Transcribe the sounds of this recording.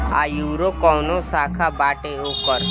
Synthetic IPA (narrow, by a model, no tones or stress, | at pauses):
a̰juːɾokɔwnõsaːkʰabaːʈeokəɾ